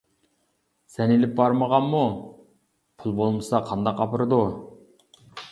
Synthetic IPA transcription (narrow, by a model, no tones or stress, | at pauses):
sɛnelɪp̚bɑɾməʁɑnmu | pʰulˠbolˠmɨsɑqʰɑnd̪ɑqɑpəɾɨd̪u